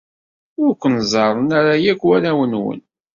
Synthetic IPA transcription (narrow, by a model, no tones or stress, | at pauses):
ʊɾkʷːənzˤɑɾˤənaɾajækʷːwæɾæwənwə̰n